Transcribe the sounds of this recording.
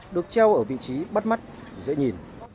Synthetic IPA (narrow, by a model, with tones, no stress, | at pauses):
ɗɨ˨˩ək̚t͡ɕɛ˧wʔəː˧˩vḭ˧˨t͡ɕi˨˦ɓa˦˥t̚ma˦˥t̚zə̰˧˥ɲi˨˩n